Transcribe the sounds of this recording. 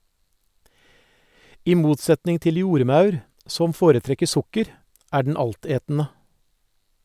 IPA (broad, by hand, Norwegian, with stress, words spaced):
ˈiː ˈmuːtˌsɛtnɪŋ ˈtɪl ˈjuːɾˌmɑʉɾ ˈsɔm ˈfoːɾəˌtɾɛkə ˈsʊkəɾ ˈæː ɖɳ̩ ˈɑlˌteːtn̩ə